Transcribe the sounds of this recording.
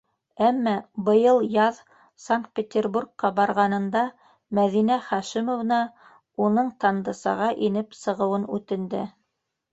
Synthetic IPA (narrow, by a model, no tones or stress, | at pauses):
æmːæbɤ̆jɤlˠjɑð | saŋk̚t̪̚pʲet̪ʲerburkqɑbɑɾʁɑnɤ̆nd̪ɑ | mæðinæχɑʃimovnɑ | unɤɴt̪ɑnd̪ɤsɑ̰ʁɑʔinɘpsɤ̆ʁɤ̆wɤnʉt̪ɘ̆nd̪ɘ